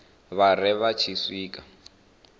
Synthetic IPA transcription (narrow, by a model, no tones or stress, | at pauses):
βarɛβat͡ʃʰisiːkʼa